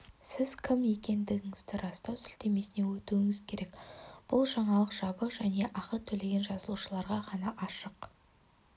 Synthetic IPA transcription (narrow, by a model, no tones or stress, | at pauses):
sɪzkʲʰɪmje̞kʲe̞nd̪ɪɡʲɪŋɪzd̪ɪɾɑst̪ɑwsʏlt̪e̞me̞sɪne̞wɵt̪uɪŋɪzkʲʰe̞ɾe̞kb̥ʊlˠʒɑɴɑlˠəqʒ̥ɑbəqʒæne̞ʔɑqət̪ʰɵle̞ɡʲe̞nʒɑzəlˠuʃəlˠɑɾʁɑqʰɑnɑʔɑʃəq